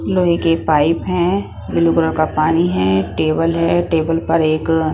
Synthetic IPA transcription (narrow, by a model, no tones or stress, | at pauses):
loːɦikeːpaːɪpɦɛ̃ | bɪluɡɾõkapaːniɦɛ̃ʈeːbəlɦɛʈeːbəlpɐɾeːk